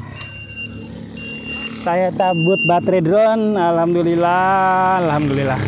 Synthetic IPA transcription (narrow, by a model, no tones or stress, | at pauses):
sajat͡ʃabʊt̪̚bat̪ɾedɾɔnalhamd̪ulilaalhamd̪ulila